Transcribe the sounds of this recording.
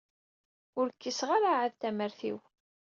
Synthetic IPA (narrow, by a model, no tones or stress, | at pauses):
ʊɾəkːisʁaɾaʕaðt̪æməɾθḭw